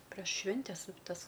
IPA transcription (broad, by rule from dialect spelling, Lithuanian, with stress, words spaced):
pʲrʲɛʃ ˈʃʲʋʲɪnʲtʲɛs ˈtɐs